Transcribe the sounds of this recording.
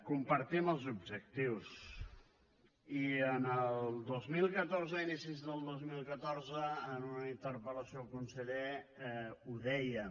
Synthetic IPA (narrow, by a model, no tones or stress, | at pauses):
kumpəɾt̪iməlˠzubʒək̚t̪iws | iənəlˠd̪ozmilˠkət̪orzəinisizðəlˠd̪ozmilˠkət̪orzəːnunəint̪əɾpələsiokunsəðɛ | uðɛjə